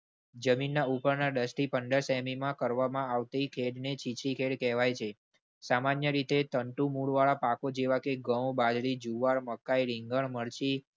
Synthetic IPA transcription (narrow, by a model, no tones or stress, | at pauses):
d͡ʒəminːaupəɾnaɖəsʈipəɳɖəɾsɛmimãkəɾʋamãaʋt̪ikʰeɽnet͡ʃit͡ʃɾikʰeɽkɛɦʋajt͡ʃʰe | samanjəɾit̪et̪əɳʈũmuɭʋaɭapakod͡ʒeʋakeɡə̃wbad͡ʒɭid͡ʒuʋaɾməkːaiɾiŋɡəɳməɾt͡ʃi